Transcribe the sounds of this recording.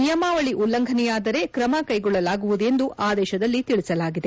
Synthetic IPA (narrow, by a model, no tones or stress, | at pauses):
nijɐmaːʋɐɭiʔulːɐŋɡʱɐnɛjaːd̪ɐɾe̞kɾɐmɐkɐjɡɔɭːɐlaːɡuʋud̪ue̞nd̪uʔʔaːd̪ɛːʃɐd̪ɐlːit̪iɭisɐlaːɡid̪e̞